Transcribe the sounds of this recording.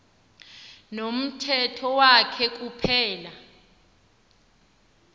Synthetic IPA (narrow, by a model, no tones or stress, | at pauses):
nom̩tʰɛtʰɔwakʰɛk̬ʼupʰɛːla